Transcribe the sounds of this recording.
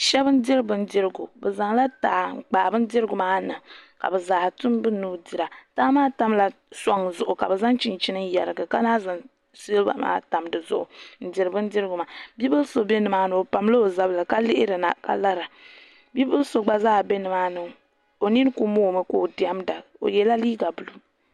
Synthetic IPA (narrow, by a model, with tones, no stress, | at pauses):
ʃɛ˦bɨ˦n̩˦di˦ɾɨ˦bɨ˦n̩˦dɪ˦ɾɨ˦ɡu˨bɛ˨za˨ŋla˦taː˨k͡paː˨bɨ˦n̩˦dɪ˦ɾɨ˦ɡʊ˨maː˦na˨ka̰˨bɛ˨zaː˨htʊ˦m˦bɨ˦nuː˦di˨ɾa˨taː˦maː˦ta˦mla˨ | sa˦ŋzʊ˨ʔʊ˨ka˨bɛ˨za˦ŋt͡ʃi˨nt͡ʃi˦nɨ˦ŋ˦jɛ˨ɾɨ˨ɡɨ˨ka˦naː˦za˨ŋ | si˦lba̰˨ma̰ː˦ta˨mdɨ˨zʊ̰˦ʔʊ̰˨n̩˨dɪ˨ɾɨ˨bɨ˦n̩˦dɪ˦ɾɨ˦ɡʊ˨ma˨bi˦bɨ˦lso˦be˦nɨ˨maː˦nɨ˨o˨pa˨m˦lo˦o˨za˦blɨ˨ka˦lɪ˦ʔɪ˦ɾɨ˨na̰˨ka̰˦la˦ɾa˨ | bi˦bɨ˦lso˨ɡ͡ba˦zaː˦˨be˦nɨ˨maː˦nɨ˨ŋ | o˨ni˦n˦ku˦moː˦˨mɨ˦ko˦˨di˨a˦mda˨o̰˨jɛ˨la˦liː˦ɡa˨bu˨lu˦